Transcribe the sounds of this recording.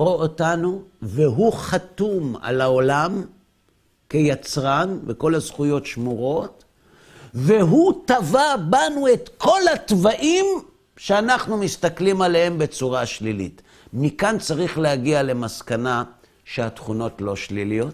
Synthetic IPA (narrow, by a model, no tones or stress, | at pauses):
ʁootanuveɦuχat̪uma̰lao̞lam | kejat͡sʁanveko̞lazχujo̞tʃmuʁo̞t | ve̞ɦutavabanue̞t̪kʰo̞lat̪vaʔim | ʃeanaχnumist̪aklimalehembe̞t͡suʁaʃlilḭt | mikant͡saʁiχleaɡiale̞maskana | ʃeatχuno̞tlo̞ʃlilijo̞t